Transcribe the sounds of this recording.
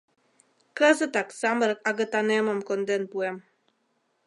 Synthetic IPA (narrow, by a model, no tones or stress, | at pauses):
kəzət̪aksaməɾək̚aɡət̪aneməmkond̪enpuem